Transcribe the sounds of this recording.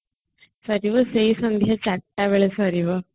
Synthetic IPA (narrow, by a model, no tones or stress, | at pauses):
saɾiʋəseisənd̪ʱjat͡ɕaʈʈːaʋeɭesaɾiʋə